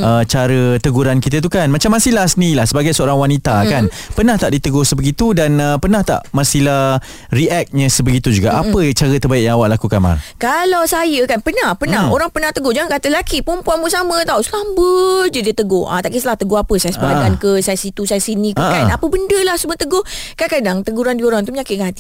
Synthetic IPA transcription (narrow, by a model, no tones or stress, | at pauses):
ət͡ʃaɾət̪əɡuɾankit̪ət̪̬ukanmat͡ʃamːasilahsəniilahsəbaɡajsəoɾaŋwanit̪akanpənaht̪aʔdit̪əɡohsəbəɡit̪udanəpənãht̪a̰ʔʔmãsilah | riɛk̚ɲə̃səbəɡit̪ud͡ʒuɡaʔapət͡ʃaɾət̪ərbaɪʔjãŋawaʔlakukanma̰kalawsajəkanpənahpənão̰ɾaŋpənãht̪əɡʊd͡ʒaŋankat̪əlakipumpuaʔmbəsamə̃t̪ausəlambəd͡ʒədiət̪əɡʊhʔa̰t̪aʔkisəlaht̪əɡʊhapəsajasəbakankəsajasit̪usajasinĩkkanapəbəndəlahsəmət̪əɡʊhkankadaŋt̪əɡuɾandioɾaŋt̪uməɲakɪt̚kaat̪i